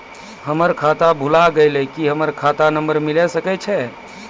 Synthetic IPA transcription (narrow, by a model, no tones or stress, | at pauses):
həməɾkʰat̪abʱulaɡəlɛkiɦəməɾkʰat̪anəmbəɾmilɛsəkɛt͡ʃʰɛ